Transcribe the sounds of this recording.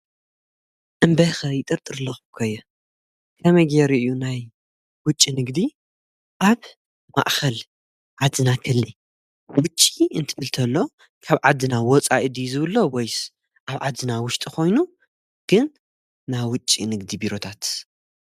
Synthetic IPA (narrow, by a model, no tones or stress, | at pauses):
ʔɨmbɐxɐjɪt̪ʼɨɾt̪ʼɨɾlɐxukʰojːɛ | kʰɐmɐjɡeɾiʔunaj | wʊt͡ʃʼːinɨɡd̪i | ʔaβ | ma̰ʔxɐl | ʕad̪ɨnakʰɨlːi | wʊt͡ʃʼːiɨnt̪ʰɨbɨlt̪ʰɐlːo̞ | kʰaβʕad̪ːɨnawɔt͡sʼa̰ʔd̪izɨβɨlːowojs | ʔaβʕad̪ːɨnawʊʃt̪ʼikʰo̞jnu | ɡ̥ɨnː | ajwʊt͡ʃʼːinɨɡd̪ibiɾo̞t̪ʰat̪